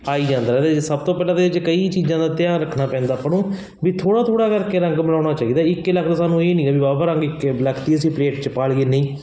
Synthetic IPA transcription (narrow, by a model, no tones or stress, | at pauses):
aːiːd͡ʒãːnd̪aːd̪esəb̚t̪oːpɛːlãːd̪ed͡ʒkəiːt͡ʃiːzãːd̪aːt̪ɪjãːɾəkʰnaːpɛ̃ːnd̪aːpəɽõː | biːt̪ʰoːɽaːt̪ʰoːɽaːkəɾkeːɾə̃ŋɡməlaːɽ̃aːt͡ʃaːiːd̪aːɪkːeləkʰd̪aːsaːnũːeːnĩːabiːbaːpaːɾəŋɡɪkləkʰt̪iːəsĩːpleːʈt͡ʃpaːɽiːeːneĩː